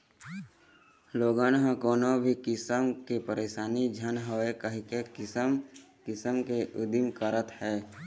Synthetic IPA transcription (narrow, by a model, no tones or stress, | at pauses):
loːɡaːnɦãkɔːnobʱikɪsəmkepəɾeːʃaːnid͡ʒʱənɦoekəɦikekɪsəm | kɪsəmkeʔʊd̪ɪmkəɾət̪hɛː